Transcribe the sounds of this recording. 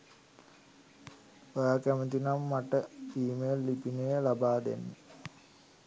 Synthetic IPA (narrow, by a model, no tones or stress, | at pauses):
ojaːkæmət̪inamːaʈəiːmejlːipinejəlabaːd̪ḛnːe